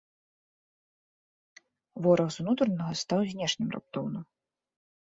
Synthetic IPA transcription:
vɔɾɐɣzunut̪ɾɐnɐɣɐst̪awzʲnʲɛʂnʲimra̰p̚t̪ɔwnɨ

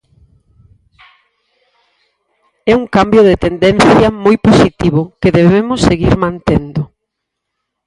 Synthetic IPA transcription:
ɛuŋkambjoð̞et̪end̪enθjɐmojposit̪iβ̞ʊkeðeβeemʊsːeɣiɾmãnt̪end̪ʊ

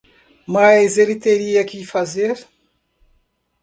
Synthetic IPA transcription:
maezeɾit̪eɾijakifazeɾ

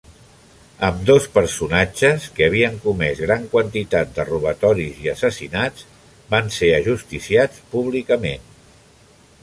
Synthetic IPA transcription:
əmd̪ospəɾsunad͡ʒəskəβ̞iəŋkumɛzɣɾaŋkwənt̪it̪at̪̚d̪əruβ̞ət̪ɔɾiziəsəsinad͡z | banseəʒust̪isiat͡spuβ̞likəmen

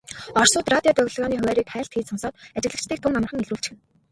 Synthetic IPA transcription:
ɔr̥sʊːt̪rat̪ʲiɔt̪œɣʲɮ̆ɣɔːniːχɵwæːɾiːkχæːɬt̪xiːsɔnsɔːt̪at͡ɕɪ̆ɣɮə̆kt͡ɕt̪ʰiːk̚t̪ʰʊŋamə̆χə̆ŋeɮɾuːɬt͡ɕxɘ̆n

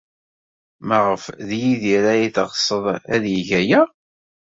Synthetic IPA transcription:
mæʁəfðjiðiɾæjiθəʁsˤːəðˤæðjiʝæjæ

